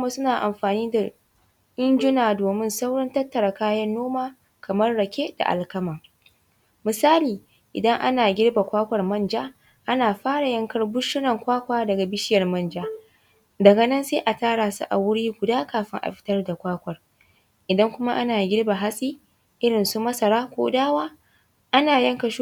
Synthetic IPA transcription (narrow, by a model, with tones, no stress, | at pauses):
kma˦sʊ˦naː˨ʔa˨mɸaː˨niː˦da˨ | ʔɪ˦nd͡ʒʊ˦naː˨doː˨mɪ˦nsa˦wɽɐ˦ntɐ˦tːɐ˨ɾa˨kaː˦jɐ˦nːoː˦maː˦ | kɐ˨mɐ˦rːɐ˨kʲe˦da̰˨ʔa̰˨lkɐ˦ma˨ | mɪ˨saː˦liː˨ | ʔɪ̰˨dɐ˦ŋʔa̰˦naː˨ɡʲɪ˦rba˨kʷaː˦kʷɐ˨rmɐ˦nd͡ʒaː˦ | ʔa˦naː˨ɸaː˦ɽa˨jɐ˦ŋkɐ˦rbʊ˦ʃɪ˦nɐ˨ŋkʷaː˦kʷaː˦dɐ˨ɡa˨bɪ˦ʃɪ˦jɐ˨rmɐ˦nd͡ʒaː˦ | dɐ˨ɡɐ˨nɐ˦nseː˦ʔa˨taː˦ɽaː˨sṵ˦ʔa̰˨wʊ˦ɽiː˦ɡʷʊ˨daː˦kaː˨ɸɪ˦ŋʔa̰˨ɸɪ̥˦tɐ˦rda˨kʷaː˦kʷɐ˨r | ʔɪ˨dɐ˦ŋkʷʊ˦ma˦ʔa˦naː˨ɡʲɪ˦ɽba˨ɦa˦sʼiː˦ | ʔɪ˦ɽɪ˨nsu˦mɐ˦sɐ˨ɾaː˦kʷo̰ː˦daː˦waː˦ | ʔa˦naː˨jɐ˦ŋkɐ˨ʃ